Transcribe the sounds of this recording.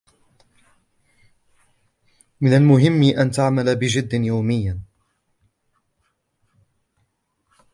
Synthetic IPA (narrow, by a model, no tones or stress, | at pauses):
mɪnalmʊɦɪmːiʔant̪aʕmalabɪd͡ʒɪd̪ːɪnjawmɪjːan